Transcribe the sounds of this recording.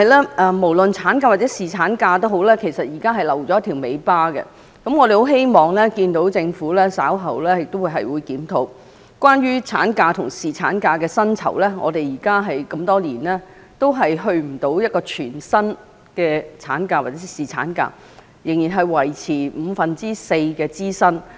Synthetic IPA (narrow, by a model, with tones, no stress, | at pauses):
hɐ˨˧jlaː˥ʔɛː˧mo˨˩wlə˨nt͡sʰaː˨˥nkaː˧wa˨˩t͡sɛ˨˥siː˨t͡sʰaː˨˥nkaː˧t̪o˥wɦo˨˥wlɛː˥kʰe˨˩jsɐ˨t̚jiː˨˩kaː˥ɦɐ˨jlɐ˨˩wt͡sɔː˨˦jɐ˥t̪ʰi˨˩wme˨˧jpaː˥ɡɛ̰˧ | kɐ˨˥mŋɔː˨˧t̪e˨jho˨˥wɦe˥jmɔː˨ŋlɛː˥kiː˧nt̪o˨˥wt͡sɪ˧ŋfuː˨˥lɛː˥sa̰ː˨˥wɦɐ˨wlɛː˥jɪ˨k̚t̪o˥wuː˨˧jɦɐ̰˨jwuː˨˧jkiː˨˥mt̪ʰo˨˧˥w | kʷaː˥njyː˥t͡sʰaː˨˥nkaː˧t̪ʰʊ˨˩ŋsiː˨t͡sʰa̰ː˨˥nkaː˧kɛː˧sɐ˥nt͡sʰɐ̰˨˩wlɛː˥ŋɔ̰˨˧t̪e˨jiː˨˩kaː˥ɦɐ˨jkɐ˧mt̪ɔː˥liː˨˩nlɛː˥ | t̪o˥wɦɐ˨jɦɵ˧ɥm̩˨˩t̪o˨˥wjɐ˥t̚kɔː˧t͡ʃʰyː˨˩nsɐ˥n | kɛː˧t͡sʰa̰ː˨˥nkaː˧wa˨˩t͡sɛ˨˧˥siː˨˩t͡sʰa̰ː˨˥nka̰ː˧ | jɪ˨˩ŋjiː˨nɦɐ˨jwɐ˨˩jt͡sʰiː˨˩m̩˨˧fɐ˨nt͡siː˥se˧jkɛː˧t͡siː˥sɐ˥n